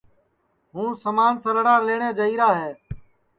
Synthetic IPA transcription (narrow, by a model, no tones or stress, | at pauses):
ɦũːsəmaːnsəɾɽaːleːɳ̃eːd͡ʒəiːɾaːɦeː